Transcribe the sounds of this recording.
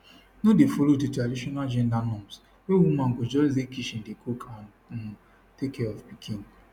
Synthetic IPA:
nodefolodetadiʃɔnad͡ʒɛndanɔms | ewumaŋ̩ɡod͡ʒɔlizekiʃin̩dekʰokʰa | n̩ | tekːɛɔfpikʰin

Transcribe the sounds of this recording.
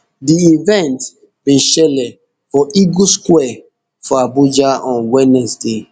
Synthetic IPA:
diivɛ̃nt | bĩʃɛlɛ | fɔʔiɡuskwɛ | fɔabud͡ʒaɔ̃nwɛnɛsde

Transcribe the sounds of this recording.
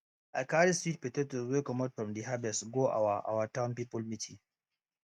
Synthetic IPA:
ʔa̰kaɾistit̚pɛtetɔswekɔmɔdfɾɔmdiɦabɛsɡoʔa̰waʔa̰watawnpiːpɔlmitʰi

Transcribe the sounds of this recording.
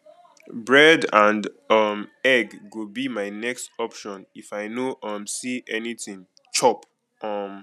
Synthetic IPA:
bɹɛdãnd | ʌmɛɡːubimaɪnɛkstɔpʃɔ̃nifaɪnoʔʌmsiʔɛnitĩŋ | t͡ʃɔp | ʌm

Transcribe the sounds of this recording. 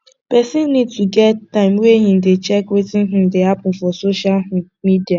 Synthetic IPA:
pɛsɪnːid̚tuɡɛttːãɪ̃mweɦĩn̩dɪt͡ʃɛkwetɪn̩ɦʊ̃n̩dɪapʊfɔsoʃal | midia

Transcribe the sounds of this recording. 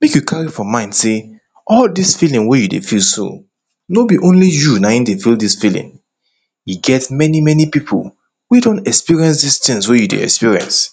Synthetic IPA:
mekjukʰaɹifɹɔ̃mːãɪ̃ndse | ʔɔldisfilĩŋwejudḛfilsṵ̃ | nobiʔõnlijunaĩndefildisfilḭ̃ŋ | jiɡɛtmɛnimɛnipipʰo̰l | wedõntɛkspiɹiɛ̃ns̬distĩŋswejudḛɛ̰kspiɹiɛ̰̃ns

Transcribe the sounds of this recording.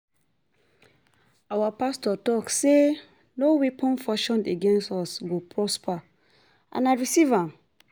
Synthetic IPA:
awapastɔtɔkse | nowipʰɔ̃nfɔʃɔ̃ndeɡɛ̃nstɔsɡopʰɹɔspʰa | ʔã̰naɪɹisivãm

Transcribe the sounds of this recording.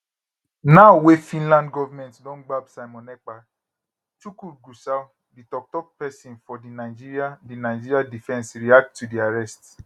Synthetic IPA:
naʊwefĩnlãndɡɔvamɛ̃ntdɔ̃n̩ɡ͡babsaɪmɔnɛk͡pa | tukuɡusaw | ditɔk̚tɔk̚pɛsĩnfɔdinaɪd͡ʒiɾiadinaɪd͡ʒiɾiadifɛ̃nsɾiak̚tːudiaɾɛst

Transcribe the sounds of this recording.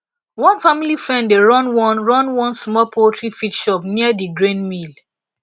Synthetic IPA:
wɔ̃nfamilifɹɛ̃nddeɹɔ̃nwɔ̃nɹɔ̃nwɔ̃nsmɔlpʰotʰɹifitʃɔpniədiɡɹẽnmil

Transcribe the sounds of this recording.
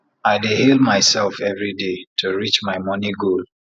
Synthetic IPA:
aɪdihelˠmaɪsɛlˠfɛvɹidetʰuɹit͡ʃmaɪmʌ̃niɡol

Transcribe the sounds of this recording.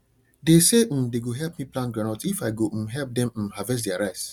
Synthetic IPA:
desem̩̃deɡoɦɛlpmiplãnɡɹãnaʊtifaɪɡom̩ɦɛlp̚dɛ̃mm̩ɦavɛs̬dɛaɾaɪs

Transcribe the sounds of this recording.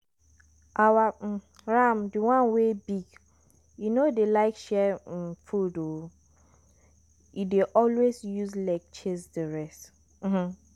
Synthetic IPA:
ʔawa | ɹamdiwãnwebiɡ | junodelaɪkʃɛfudo | ideʔɔlwesjuzlaɪk̚t͡ʃesdiɹɛst | m̩mm̩

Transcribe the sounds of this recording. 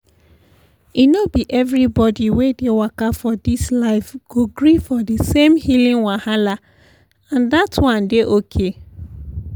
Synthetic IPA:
inobiʔɛvɹibɔdiwedewakafɔdislaɪfɡ̥oɡɹifɔdesẽmhilĩnwahala | ãndatwãndeʔokʰe

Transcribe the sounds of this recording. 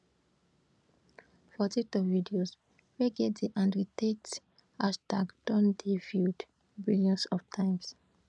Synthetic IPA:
fɔtitɔvidios | weɡɛtdeʔãndɹitet | astakd̥ɔ̃ndiviud | biljɔ̃nsɔftʰãɪ̃ms

